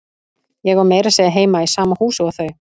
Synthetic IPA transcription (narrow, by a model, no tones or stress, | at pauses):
jɛɣvaɾmeːjɾaseːjðɪɦeːjmaisaːmahuːsʏaθœɥ